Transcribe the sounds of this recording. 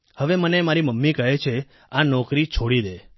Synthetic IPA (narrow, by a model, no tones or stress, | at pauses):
həʋemənemaɾiməmːikəɦet͡ʃʰe | anɔkɾit͡ʃʰoɽid̪e